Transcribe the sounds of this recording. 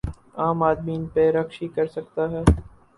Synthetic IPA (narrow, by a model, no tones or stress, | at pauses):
aːmaːd̪miːnpeɾɐxʃikɐɾsɐk̚t̪aɦɛː